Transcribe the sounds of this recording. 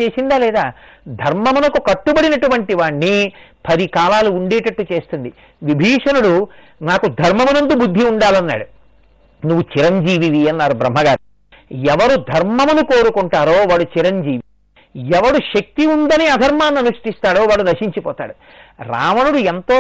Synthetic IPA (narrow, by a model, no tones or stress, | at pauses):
e̞ːsind̪aːlɛːd̪aː | d̪ʱɐɾmɐmunɐkukɐʈːubɐɽinɐʈuʋɐɳʈiʋaːɳːipʰɐɾikaːlaːluːɳɖeːʈɐʈːut͡ʃe̞ːst̪und̪i | ʋibʱiːʂɐnuɽu | naːkud̪ʱɐɾmɐmunɐnd̪ubud̪ʱːiuɳɖaːlɐnːa̰ːɽu | nuʋːut͡ʃiɾɐɲd͡ʒiːʋiʋiɐnːaːɾubɾɐmːɐɡaːɾu | ɛʋɐɾud̪ʱɐɾmɐmunuko̞ːɾukuɳʈaːɾo̞ːʋaːɽut͡ʃiɾɐɲd͡ʒiːʋi | ɛʋɐɽuʃɐk̚t̪iund̪ɐniɐd̪ʱɐɾmaːnːɐnuʂʈist̪aːɽoːʋaːɽunɐʂiɲt͡ʃipɔːt̪a̰ːɽu | ɾa̰ːʋɐnuɽuent̪oː